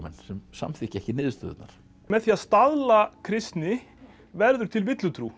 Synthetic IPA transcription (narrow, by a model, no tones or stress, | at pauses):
mɛnsɛmsa̰mθɪhcɛhcɪnɪːðɪst̪œːð̰t̪naɾ̥ | mɛðθiaðst̪aðlakʰɾɪst̪nɪ | vɛɾðʏɾ̥t̪ʰɪlvɪt̪lʏt̪ʰɾu